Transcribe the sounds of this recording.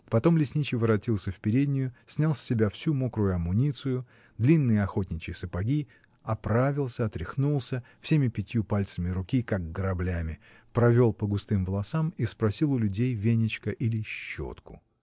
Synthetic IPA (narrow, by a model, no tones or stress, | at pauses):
pɐt̪o̞mlʲɪsʲnʲit͡ɕɪvɨɾɐtʲilˠsʲəfpʲɪɾʲedʲnʲɪjʊsʲnʲalˠsʲːɪbʲafsʲumokɾʊjʊɐmʊnʲit̪sɨjʊ | d̪lʲinːɨjəɐxo̞tʲnʲɪt͡ɕɪjsɨpɐɡʲi | ɐpɾavʲɪlˠsʲəɐt̪ɾʲɪxnulˠsʲə | fsʲemʲɪpʲɪtʲjupalʲt̪səmʲɪɾʊkʲikaɡɡəɾɐblʲamʲɪ | pɾɐvʲo̞lˠpəɡʊst̪ɨmvəlˠɐsamispɾɐsʲilˠʊlʲʊdʲejvʲenʲɪt͡ɕkəʔilʲɪɕːo̰t̪kʊ̰